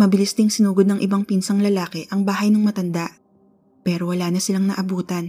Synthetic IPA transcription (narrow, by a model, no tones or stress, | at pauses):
mɐbɪlist̪ɪŋsɪnuːɡod̪nɐŋʔɪbɐŋpinsɐŋlɐlaːkɛʔɐŋbaːɦɐjnɐŋmɐt̪ɐnd̪aʔ | pɛːɾowɐlaːnɐsɪlaŋnɐʔɐbuːt̪ɐn